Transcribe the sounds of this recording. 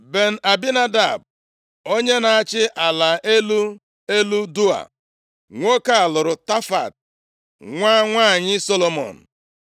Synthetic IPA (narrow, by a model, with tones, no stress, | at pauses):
be˨n̩˨ʔa˨bi˦na˦da̰˨b̚ | o˦ɲe˦na˨a˦t͡ʃɪ˦ʔa˨la˨e˦lu˦ | e˦lu˦du˦a̰˨ | ŋʷo˦ka˦a˨lʊ˨ɾʊ˨ta˦fa̰˨t̚ | ŋʷa˦ŋʷaː˦˨ɲɪ˦so˦lo˦mo̰˨n̩˨